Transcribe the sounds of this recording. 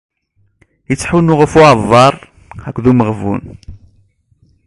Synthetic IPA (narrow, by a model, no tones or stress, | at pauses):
jət͡sːħunʊʁəfʊʕðˤːɑɾˤ | ækʷːðuməʁvṵn